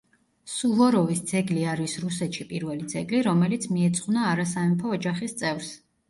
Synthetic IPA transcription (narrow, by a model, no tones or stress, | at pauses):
suvɔɾɔvisd̪zɛɡliaɾisɾusɛt̪ʃipʼiɾvɛlid̪z̥ɛɡliɾɔmɛlit̪sʰmiɛt̪sʼqʼwnaːɾasaɛmpʰɔːd͡ʒaχist̪sʼɛvɾs